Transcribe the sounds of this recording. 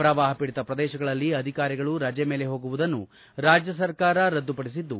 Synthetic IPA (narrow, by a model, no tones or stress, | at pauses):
pɾɐʋaːɦɐpiːɽit̪ɐpɾɐd̪ɛːʃɐɡɐɭɐlːiɐd̪ʱikaːɾiɡɐɭuɾɐd͡ʒɛmeːle̞ɦo̞ːɡuʋud̪ɐnːu | ɾaːd͡ʒjɐsɐɾkaːɾɐɾɐd̪ːupɐɽis̬id̪ːu